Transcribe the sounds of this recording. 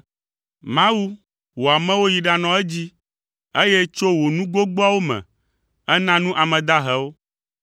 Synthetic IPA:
mã˦wu˦ | wo˨a˨mɛ̃˦wo˦ji˨ɖa˨nɔ̃˨ɛ˦d͡ʑi˦ | e˦je˦t͡ʃo˦wo˨nũ˦ɡo˦ɡ͡bɔ˦a˦wo˦mɛ̰̃˨ | ɛ˦nã˦nũ˦ʔa˨mɛ̃˨d̪a˦ɦɛ˨˦wo˦

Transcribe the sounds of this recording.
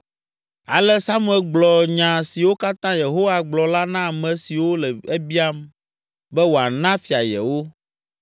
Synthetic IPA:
a̰˨lɛ˦sa˦mũ˦ɛ˨lɡ͡blɔ˨ɲã˨si˨wo˦ka˦t̪ã˦je˨ɦo˦wa˨ɡ͡blɔ˨la˦nã˦˨mɛ̃˨si˨wo˦lɛ˨e˦bi˦a˦m | bɛ˦wo˨a˨nã˦fi˨a˨jɛ̰˨wo˦

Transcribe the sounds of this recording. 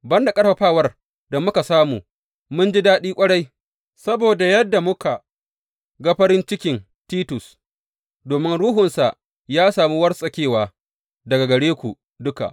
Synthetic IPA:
bɐ˦nda˨kʼɐ˦rɸɐ˨ɸaː˦˨wɐ˦r | da˨mʊ˦ka˨saː˦muː˨ | mʊ˦nd͡ʒi˦daː˦ɗiː˦kʷʼɐ˦ɽa˦j | sɐ˦boː˨da˨jɐ˦dːa˨mʊ˦ka˨ | ɡa˦ɸɐ˦ɾɪ˦nt͡ʃɪ˦kʲɪ˨n | tiː˦tʊ˨s | doː˨mɪ˦nɽuː˦ɦʊ˨nsa˨ʔ | jaː˦saː˨mi˦wɐ˦rsʼɐ˨kʲeː˦˨waː˨ | dɐ˨ɡa˨ɡɐ˨ɽeː˦kʷu˨ | dʊ˦ka̰˨ʔ

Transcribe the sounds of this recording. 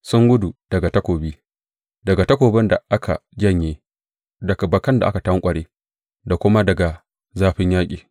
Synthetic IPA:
sʊ˦ŋɡʊ˦du˨d̥ɐ˨ɡa˨tɐ˦kʷoː˨biː˦ | dɐ˨ɡa˨tɐ˦kʷoː˨bɪ˦nda˨ʔa˦kʰa̰˨d͡ʒɐ˦˨ɲjeː˦ | dɐ˨ka˨bɐ˨kɐ˦nda˨ʔa˦ka˨tɐ˦ŋkʷʼɐ˨ɽeː˦ | da˨kʷʊ˦ma˦dɐ˨ɡa˨ | zaː˦ɸɪ˦ɲjaː˦kʲʼiː˨

